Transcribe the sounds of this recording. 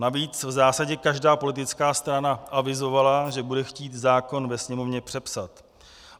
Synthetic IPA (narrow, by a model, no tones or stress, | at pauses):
naviːt͡svzaːsaɟɛkaʒdaːpo̞lɪt̪̬ɪt͡skaːst̪ɾanaʔavɪzo̞valaʒɛbudɛxciːt̪zaːko̞nvɛsɲɛmo̞vɲɛpr̝̥ɛpsat̪